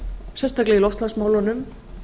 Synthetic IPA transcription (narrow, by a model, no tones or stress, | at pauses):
sɛnst̪aklɛilɔwfst̪lansmawlɔnʏm